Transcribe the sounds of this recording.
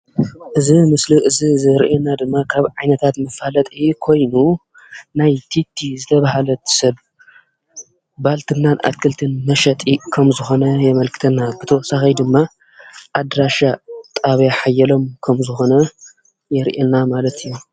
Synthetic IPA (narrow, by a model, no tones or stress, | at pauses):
ʔɨzimɨsliʔɨzizɨɾʔenad̪ɨmːakʰaβʕajnɐt̪ʰat̪mɨfalɐt̪ʼikʰo̞jnu | najt̪ʰit̪ʰːizɨt̪ʰɐβahalɐt̪ʰsɐβ | balt̪ʰɨnːanʔa̰kʰɨlt̪ʰɨnmɐʃɐt̪ʼikʰɐmzɨxo̞nɐjɛmɐlkʰɨ̥t̪ʰɐnːabɨt̪ʰɐwɔsaxɐjd̪ɨmːa | ʔad̪ɾaʃat̪ʼaβjaħajːɛlo̞mkʰɐmzɨxo̞nɐ | jɛɾʔenːamalɐt̪ʰɨjːu